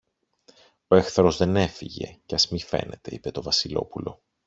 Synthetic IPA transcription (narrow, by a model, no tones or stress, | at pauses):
oe̞xθɐɾo̞zðe̞ne̞fiʝe̞̰ceɐzmife̞̰ne̞t̪e̞ḭpe̞t̪o̞vɐsilo̞̰pulo̞̰